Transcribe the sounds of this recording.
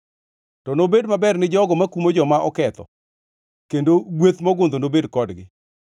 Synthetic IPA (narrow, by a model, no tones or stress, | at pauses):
tɔnobedmabɛrnɪd͡ʒɔɡɔmakumod͡ʒɔmaʔɔkɛt̪ɔ̰ | kendoɡwet̪mɔɡʊnd̪onobedkɔdɡɪ